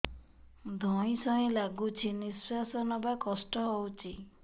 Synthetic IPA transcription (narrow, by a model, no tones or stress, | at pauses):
d̪ʱɔĩsɔĩlaɡut͡ʃʰiniswasɔnɔbakɔsʈɔɦowt͡ʃʰi